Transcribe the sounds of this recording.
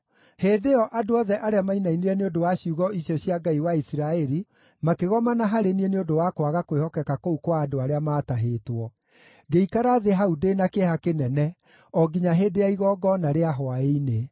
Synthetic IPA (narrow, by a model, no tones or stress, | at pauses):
heːdeɔʔadoɔðɛʔaɾeamainainiɾɛneodowaɕjuɣɔiɕjɔɕiaɡaiwaisiɾaɛɾi | makeɣɔmanaɦaɾenieneodowakwaɣakwehɔkɛkakoukwaːdoaɾeamaːtaɦeːtwɔ | ɡeikaɾaðeɦaudenakehakenɛnɛ | ɔɡiɲaɦedeaiɣɔɡɔnaɾeaɦɔaeine